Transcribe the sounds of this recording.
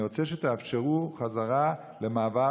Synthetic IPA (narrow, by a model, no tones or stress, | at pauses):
ot͡sɛʃɛt̪ɛafʃeʁuχazaʁa | ləmaːva